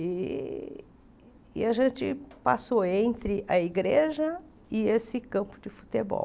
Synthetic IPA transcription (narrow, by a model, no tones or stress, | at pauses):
ɪ | ɪ̰ɐʒẽnt͡ʃɪ̰pasoẽnt̪ɾɪʔɐiɡɾeʒɐ | ɪesɪkɐ̃pʊd͡ʒɪfu̥t̪ebɔ̰